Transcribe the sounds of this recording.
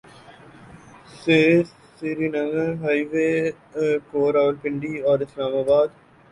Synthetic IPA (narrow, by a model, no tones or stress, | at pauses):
se | siɾinɐŋəɦaiʋeː | koːɾaːʋəlpɪɳɖiːɔːɾɪslaːmaːbaːd̪